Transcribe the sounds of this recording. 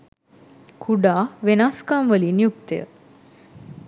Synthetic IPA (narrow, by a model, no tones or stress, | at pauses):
kʰuɖaʋenaskamʋəlinijuk̚t̪ejə̰